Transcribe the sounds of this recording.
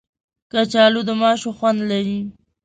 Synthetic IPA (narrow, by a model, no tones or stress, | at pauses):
kat͡ʃɑlod̪əmɑʃoxwand̪laɾi